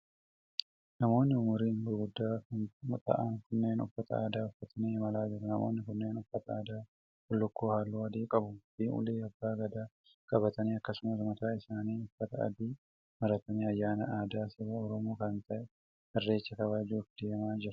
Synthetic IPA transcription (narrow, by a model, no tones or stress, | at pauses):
nɐmo̞ːnːɪʊmʊɾiːnɡʊɾɡʊd̪ːaːknt̪ʼɐ̰ʔaŋkʊnːeːnɔ̰fːɐt̪ʰɐ̰a̰ːd̪aːɔfːɐt̪ʰɐniːmɐlaːd͡ʒɪɾɐnɐmo̰ːnːɪkʊnːe̞ːnɔfːɐt̪ɐaːd̪aː | kʊlːʊkːoːhaːlːuːɐd̪iːkʼɐbʊfiːʊ̰leːɐbːaːɡɐd̪aː | kʼɐbɐt̪ɐniːɐkːɐsʊmɐsʊmɐt̪aːɪsaːniːʊfːɐt̪ɐɐ̰d̪iː | mɐɾɐt̪ɐniːɐjːaːnɐʔaːd̪aːsɪbɐɔɾɔmoːkɐnt̪ɐʔɛ | hɐrːe̞ːt͡ʃːɐkɐβaːd͡ʒufd̪̥e̞ːmaːd͡ʒɪɾɐ